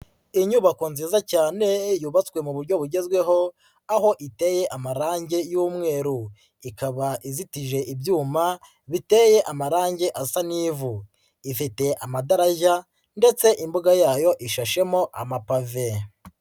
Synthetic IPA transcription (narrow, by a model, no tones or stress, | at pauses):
iɲuβakonziːzacaːne̞juβat͡swe̞muβuɾɟo̞βuɾɟe̞zɡwe̞ɦo̞ | aɦo̞ʔite̞ːje̞ʔamaɾaːɲɟe̞juːmŋe̞ːɾu | ikaβaʔizitiʒe̞ʔibjuːma | βite̞ːje̞ʔamaɾaːɲɟe̞ʔasaniːvu | ifite̞ʔamadaɾaʒa | nde̞t͡se̞ʔimbuɡajaːjo̞ʔiʃaʃe̞mo̞ʔa̰mapave̞